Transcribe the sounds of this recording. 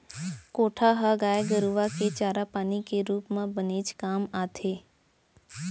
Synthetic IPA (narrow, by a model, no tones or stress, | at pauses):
koːʈʰaɦaɡaːjeɡəɾuʋaket͡ʃaːɾapaːnikeɾuːpmãbəneːd͡ʒkaːmaːt̪ʰeː